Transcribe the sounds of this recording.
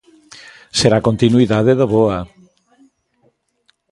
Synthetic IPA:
seɾakont̪inuiðaðeðoβoa

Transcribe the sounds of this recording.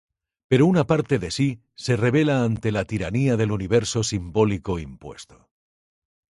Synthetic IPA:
pe̞ɾounapaɾt̪e̞ðe̞si | se̞re̞βe̞laːnt̪elat̪iɾaniaðe̞luniβ̞e̞ɾso̞simbo̞liko̞impwe̞̰st̪o

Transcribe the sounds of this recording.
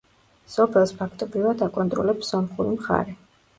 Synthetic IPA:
sɔpʰɛlˠspʰakʰt̪ʼɔbɾivad̪akʼɔnt̪ʼɾɔlɛpszɔmχuɾimχa̰ɾɛ

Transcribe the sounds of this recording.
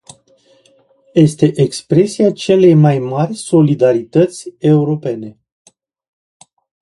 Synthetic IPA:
je̞st̪e̞ʔekspɾe̞siat͡ʃe̞le̞jmajmarʲso̞lid̪aɾit̪ət̪sʲe̞uɾo̞pe̞ne̞

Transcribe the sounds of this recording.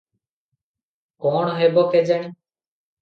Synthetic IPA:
kɔɳ̃ɔɦebɔked͡ʒaɽ̃i

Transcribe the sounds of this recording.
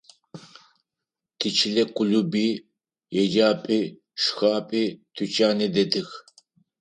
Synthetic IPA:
t̪ʰit͡ʃʰilɛkʼulubi | jɛd͡ʒaːpʼi | ʃxaːpʼit̪ʰut͡ʃʼaːnid̪ɛd̪ɨx

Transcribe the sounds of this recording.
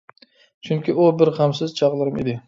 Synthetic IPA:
t͡ʃʰʊŋkʲɪʊbɪɾhamsɪzt͡ʃʰɑʁlˠɪɾɪmed̪ɪ

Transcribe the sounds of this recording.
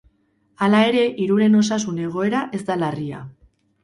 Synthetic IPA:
alae̞ɾe̞ʔiɾuɾe̞no̞sasune̞ɣ̞o̞e̞ɾaʔe̞zd̪alaria̰

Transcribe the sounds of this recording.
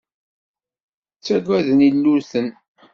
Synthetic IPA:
t͡sːæɡʷæðənilːʊɾθən

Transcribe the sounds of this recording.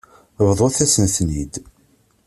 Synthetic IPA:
vðˤoθæsənθnid̪

